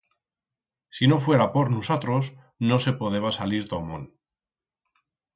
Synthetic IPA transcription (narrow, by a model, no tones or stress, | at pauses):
sino̞fwe̞ɾapo̞ɾnusot̪ɾos | no̞se̞poðeβasaliɾt̪omõ̰n